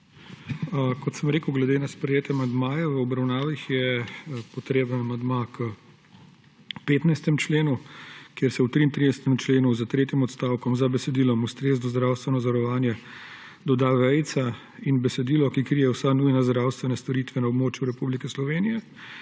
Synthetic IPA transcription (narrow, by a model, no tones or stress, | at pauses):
kɔt̪səmɾeːkəwɡlɛd̪eːnaspɾɛjeːt̪jɛmand̪maːjɛʋəɔbɾawnaːʋixjɛpɔt̪ɾeːbnanamand̪makə | peːt̪najst̪ɛmt͡ʃleːnukjeɾsɛwt̪ɾiːnt̪ɾid̪ɛsɛ̥t̪ɛmt͡ʃleːnuzat̪ɾeːt̪jimɔt̪st̪aːwkɔmzabɛsɛd̪iːlɔmust̪ɾeːznɔzd̪ɾaːwst̪ʋɛnɔzɔɾɔʋaːnjɛ | d̪ɔd̪aʋɛjt̪sa | inbɛsɛd̪iːlɔkikɾijɛwsanujnazd̪ɾawst̪ʋɛnast̪ɔɾit̪ʋɛnaɔbmoːt͡ʃjuɾɛpublikɛslɔʋeːnijɛ